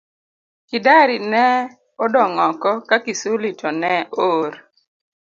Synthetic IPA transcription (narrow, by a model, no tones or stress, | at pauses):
kɪdaɾinɛ | ɔdɔŋɔkɔkakisolitʰɔnɛʔoɾ